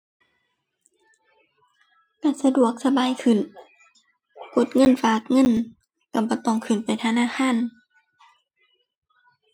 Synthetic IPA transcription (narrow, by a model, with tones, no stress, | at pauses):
ka˧˩sa˧du˨˩ək̚sa˧baː˨˦jkʰɯ˨˩˨n | ko˧˩˦t̪̚ŋɤ˧˥˨nfaː˧˦k̚ŋɤ˧˥˨n | ka˧˩bɔː˧˦t̪ɔː˧˩ŋkʰɯ˨˩˨npa˨jt̪ʰa˧naː˧˥˨xʰaː˧˥˨n